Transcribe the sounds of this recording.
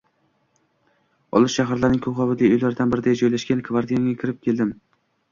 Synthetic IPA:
ɒ̰lˠɪʃʃaɦaɾlaɾnɪŋʲkʰoʁɒvɪd̪aojlaɾd̪anbɪɾɪd̪ajd͡ʒɒjlaʃɡʲankʰvaɾd̪ijaŋʲakʲʰɪɾɪp̚kʲʰe̞ld̪ɪm

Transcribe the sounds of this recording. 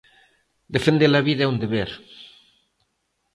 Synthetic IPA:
d̪efend̪elaβiðɛund̪eβeɾ

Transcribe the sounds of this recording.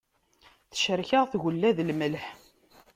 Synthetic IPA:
θə̥ʃəɾçəʁθɣəlːæðlməlħ

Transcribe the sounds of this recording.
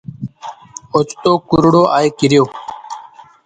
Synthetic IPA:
ot͡ʃt̪oːkuɾɽoːʔaːjkiɾjoː

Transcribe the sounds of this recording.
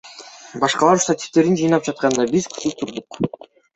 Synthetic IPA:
bɑʃqɑlˠɑɾst̪at̪ʲi̥ft̪e̞ɾind͡ʒɯjnɑp̚d͡ʒɑt̪̚qɑnd̪ɑbizkʰu̥t̪ut̪ʰuɾd̪uq

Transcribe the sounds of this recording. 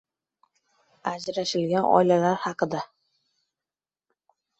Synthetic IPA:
ad͡ʒɾaʃɪlɡʲanɒ̰ɪlalaɾhɑqʰɨd̪a

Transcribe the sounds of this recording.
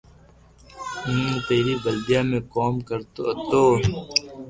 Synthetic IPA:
ĩːt̪eːɾiːbəld̪ijaːmẽːkoːmkəɾt̪ot̪oː

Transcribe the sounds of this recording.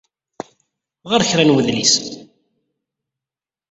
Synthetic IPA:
ʁəɾçɾænwəðlis

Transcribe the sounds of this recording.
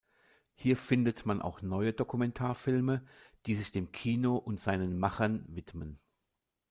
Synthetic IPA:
hiːɐfɪndətmanʔa̰ʊxnɔʏədokumɛntʰaːɐfɪlməd̥iːzɪçd̥eːmkʰiːnoʔʊntz̥aɪnənmaχɐnvɪtmən

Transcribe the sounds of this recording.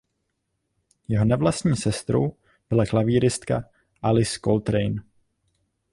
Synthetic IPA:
jɛɦo̞nɛvlast̪ɲiːsɛst̪ɾo̰w | b̥ɪlaklaviːɾɪst̪ka | ʔalɪskolt̪ɾɛjn

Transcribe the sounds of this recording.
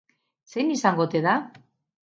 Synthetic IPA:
se̞nisaŋɡo̞t̪eða

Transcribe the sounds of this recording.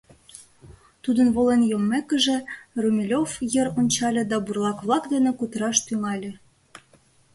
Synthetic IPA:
t̪ud̪ə̆nβolenjomːekə̆ʒĕrumʲilʲofjə̆ɾonʲt͡ɕɑlʲɤ̆d̪ɑburlˠɑkβlˠɑkd̪ə̆nĕkut̪əɾɑʃt̪yŋɑlʲĕ

